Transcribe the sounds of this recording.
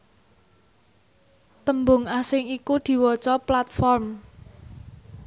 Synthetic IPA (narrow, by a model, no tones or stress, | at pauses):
t̪əmbʊŋasɪŋikud̪̥i̤wɔt͡ʃɔplat̪̚fɔrm